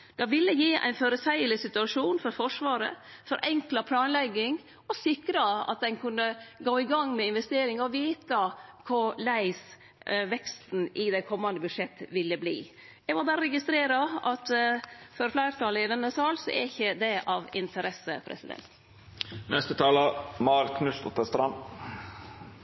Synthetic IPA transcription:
d̪̥ɑʋɪlːəjiːæ̰ɪnføːɾəsæɪəlɪsɪt̪ʉɑʂuːnfɔɾfɔʂʋɑːɾə̰fɔɾʔɛŋklɑpʰlɑːnlɛɡːɪŋ | ɔsɪkɾɑɑ̰t̪̚d̪ɛnkʰʉnːəɡoːɪɡɑŋːmɛɪnʋɛst̪eːɾɪŋɑɔʋiːt̪ɑkʰʊɾlæɪs | ʋɛkst̪n̩ʔɪd̪ɛkʰɔmːɑnd̪əbʉʂɛt̪ːəʋɪlːəblḭː | jɛɡʋɑɾbɑːɾəɾɛɡɪst̪ɾeːɾɑɑt̪fɔɾflæɪɾt̪ʰɑləɪd̪ɛnːəsɑːlsɔ̰ʔæ̰ɾɪçːəd̪ɛʔɑʋɪnt̪ʰəɾɛsəpʰɾɛ̰sɪd̪ɛ̰nt̪ | nʔɛst̪ət̪ʰɑːləmɑɾkʰnʉst̪ɔt̪ːəst̪ɾɑn

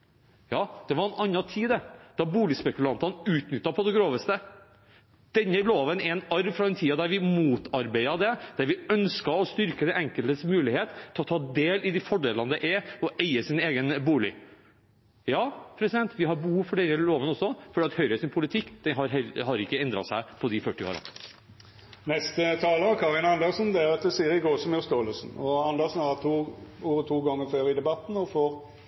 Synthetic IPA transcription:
jɑːd̪̥ɛʋɑɾɛnɑnːɑt̪ʰiːd̪ɛd̪̥ɑbuːlɪspɛkʉlɑnt̪ɑnʉːt̪nʏt̪ːɑpʰɔd̪ɛɡɾoːʋəst̪ə | d̪̥ɛnːəloːʋənɛɛnɑɾʋfɾɑd̪ɛnt̪ʰiːɑd̪æɾʋɪmuːt̪ʰɑɾbæɪɑd̪ɛd̪̥æɾʋɪœnskɑɔst̪ʏɾkəd̪ɛʔɛŋkəlt̪əsmʉːlɪheːt̪ʰːɪlɔt̪ʰɑːd̪eːlɪd̪ɪfɔɖeːlənd̪ɛʔɛɔʔæɪəsɪneːɡənbuːlɪ̰ | jɑːpʰɾɛsɪd̪ɛnt̪ʋɪɦɑɾbəhuːfɔɖɛɾəloːʋənɔsːɔfɔɖiːɑt̪hœʏɾəsɪnpʰʊlɪt̪ʰɪkːd̪̥ɛnɦɑɾɦɛɦɑɾɪkːəɛnd̪ɾɑ̰sæɪpʰɔd̪ɪfœʈːɪo̰ːɾɑ̰ | nɛst̪ət̪ʰɑːləəkʰɑʁɪnɑnd̪əɾsnd̪ɛæɾɑt̪̚d̪ɛsiːəɾɪɡoːsɔmjʉst̪oːləlsn̩ɔɑnd̪əsn̩hɑt̪ʰuːuːɾət̪ʰuːɡɑŋːəføːɾɪd̪ɛbɑt̪n̩ɔfoːʁ

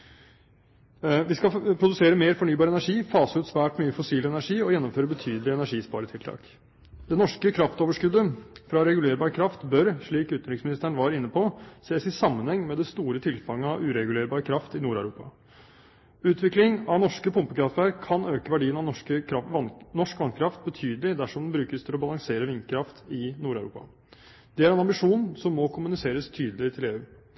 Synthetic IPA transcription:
ʋɪskɑpʰɾʊd̪ʉseːɾəmeːɾfɔɳyːbɑːɾəɛnæʂiːfɑːsəʉːt̪sʋæːʈmyːəfɔsiːlɛnæʂiːɔjɛnːɔmføːɾəbət̪ʰyːd̪əlɪɛnæʂiːspɑ̰ːɾət̪ʰɪlt̪ʰɑ̰ːk | d̪̥ɛnɔʂkəkʰɾɑft̪oːʋəʂkʉd̪ːəfɾɑɾɛɡʉleːɾbɑːɾəkʰɾɑft̪bœɾʂɭiːkʉːt̪nɾɪksmɪnɪst̪əɳ̩ʋɑːɾɪnːəpʰɔseːsɪsɑmːənhɛŋːmɛd̪ɛst̪uːɾət̪ʰɪlfɑŋːəɑʋʉɾɛɡʉleːɾbɑːɾəkʰɾɑft̪ɪnuːɾæʉɾṵːpɑ̰ | ʉːt̪ʰʋɪklɪŋɑʋnɔʂkəpʰʊmpəkɾɑft̪əɾkʰːɑnøːkəʋæɖiːənɑəɑnɔʂkʋɑnkʰɾɑft̪̚bət̪ʰyːd̪əlɪd̪æʂɔmd̪n̩bɾʉːkəst̪ʰɪlɔbɑlɑŋseːɾəʋɪŋkʰɾɑft̪ɪnuːɾæʉɾʔṵːpɑ̰ | d̪̥ɛæɾɛnɑmbɪʂuːnsɔmːɔkʰʊmʉnɪseːɾəst̪ʰyːd̪əlɪt̪ʰɪleːʉː

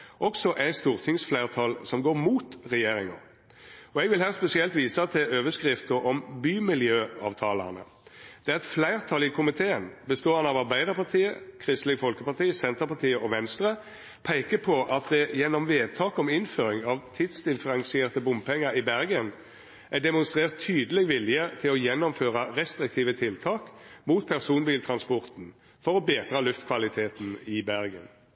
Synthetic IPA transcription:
ʔɔksɔʔæɪst̪uːʁt̪ʰɪŋsflæɪʁt̪ʰɑlsɔmɡoːʁmuːt̪ʁɛjeːɾɪŋə̰ | ɔɛɡʋɪlhæːʁspɛsɪɛlt̪ʋiːsɑt̪ʰɪʔøːʋəskʁɪft̪əʔɔmbyːmɪljøːɑ̰ːʋt̪ʰɑːlɑ̰nə̰ | d̪̥ɛæʁɛt̪flæɪʁt̪ʰɑːlɪkʰʊmɪt̪ʰeːənbəst̪oːɑnɑʋɑʁbæɪd̪əʁpɑʁt̪ʰiːəkʰʁɪst̪lɪɡfɔlkəpɑʁt̪ʰiːəsɛnt̪əɾpɑt̪ʰiːəʔɔʋɛnst̪ʁə | pʰæɪkəpʰɔʔɑt̪̚d̪ɛjɛnːɔmʋeːd̪̚t̪ʰɑːkɔmɪnføːʁɪŋɑʋt̪ʰɪd̪sd̪ɪnfəʁɑŋsɪeːʁt̪əbʊmpʰɛŋːəɾɪbæʁɡən | ʔæɖ̪ɛmʊnst̪ʁeːʁt̪ʰːyːd̪əlɛɡʋɪlɪjət̪ʰɪlɔjɛnːɔmføːʁɑʁɛst̪ʁɪk̚t̪ʰiːʋət̪ʰɪlt̪ʰɑːkmuːt̪̚pʰæʁsuːnbiːlt̪ʰʁɑnspɔʁt̪n̩ | fɔʁɔbeːd̪ʁɑlʉft̪kʰʋɑlɪt̪ʰeːt̪n̩ɪbæʁɡə̰n

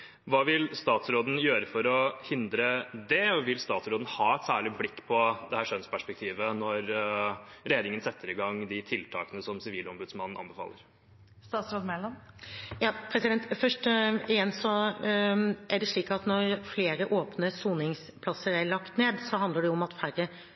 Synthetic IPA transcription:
ʋɑːʋɪlst̪ɑːt̪sɾoːd̪n̩jøːɾəfɔɾɔhɪnd̪ɾəd̪ɛɔʋɪlst̪ɑːt̪sɾoːd̪n̩hɑːɛt̪sæːɭɪblɪkːpʰɔd̪ɛhæːʂœnspʰæʂpɛk̚t̪ʰiːʋənɔɾ | ɾeːd̪nɪŋənsɛt̪ʰːəɾɪɡɑŋd̪ɪt̪ʰɪlt̪ʰɑ̰ːkənəsɔmsɪʋiːlɔmbʉd̪smɑnːn̩ʔɑ̰nbəfɑ̰ːləɾ | st̪ɑːt̪sɾoːd̪mɛlɔmjɑːpʰɾɛsɪd̪ɛnt̪fœʂʈəɪjɛnːsɔ | ʔæɖɛʂɭiːkɑt̪nɔɾfleːɾəʔoːpnəsuːnɪŋs | pʰlɑsəɾæɭɑkt̪neːd̪sɔɦɑnd̪əɖɛʊʊmɑt̪fæɾə

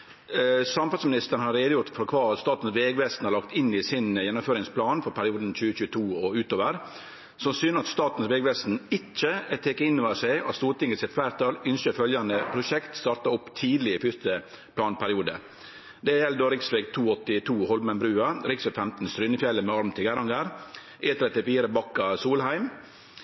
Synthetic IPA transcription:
sɑmfɑlsmɪnɪst̪əɾn̩hɑɾeːd̪əjʊɾʈt̪fɔɾkʰʋɑːɑt̪st̪ɑːt̪n̩sʋeːɡʋɛst̪n̩hɑɾlɑkt̪ɪnːɪsɪnjɛnːʊmføːɾɪŋspʰlɑːnfɔɾpʰæɾɪuːd̪n̩c͡çʉːəc͡çʉːət̪ʰuːɔʉːt̪oːʋəɾ | sɔmsyːnəɑt̪st̪ɑːt̪n̩sʋeːɡʋɛst̪n̩ɪt͡ʃːəɛt̪ʰeːkəɪnːɔːəsæɪɑ̰t̪st̪uːɾt̪ɪŋːət̪sɪt̪ʋæːɾt̪ʰɑlʏnʃəɾfœljɑnəpʰɾʊʃɛkt̪st̪ɑːɾt̪ɑɔpːt̪ʰiːd̪lɪɪfʏst̪ə | pʰlɑːnpʰæɾɪuːd̪ə̰ | d̪ɛjɛld̪oːɾɪksʋɛɡt̪ʰuːɔt̪ːɪt̪ʰuːhɔlmɛnbɾʉːɑɾɪksfɛfɛmt̪n̩st̪ɾʏnəfjɛlːəmɛɑɾmt̪ʰɪɡæɾɑŋɡəɾ | ʔeːt̪ʰɾɛt̪ɪfiːɾəbɑkːɑsuːlhæɪm

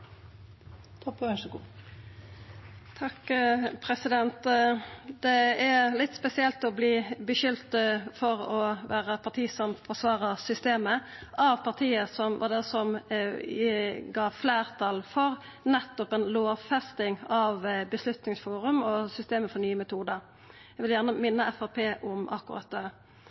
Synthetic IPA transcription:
t̪ʰɔpːɡu | t̪ʰɑkpʰɾɛsɪd̪ɛnt̪ | d̪ɛælɪt̪ːspɛsɪɛlt̪ɔbliːbəʃʏlt̪fɔɾɔʋæːɾəpʰɑʁt̪ʰiːsɔmfɔsʋɑːʁəsʏst̪eːməʔɑʋpʰɑʁt̪ʰiːəsɔmʋʔɑ̰d̪ɛsɔm | ɡɑːfleːʁt̪ʰɑlfɔɾ | nɛt̪ːɔpɛnloːfɛst̪ɪŋɑʋbəslʉt̪nɪŋsfuːɾʉmɔsʏst̪eːməfɔɾnyːəmɛt̪ʰuːd̪əɾ | ɛʋɪljæʁnəmɪnːəɛfɑpʰeːʔʊmʔɑ̰kːʊʁɑ̰t̪̚d̪ɛ

